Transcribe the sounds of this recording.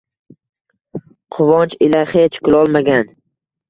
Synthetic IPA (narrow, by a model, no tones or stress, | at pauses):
qʰʊvɒnt͡ʃɪlaχet͡ʃkʰʊlˠɒlˠmaɡʲan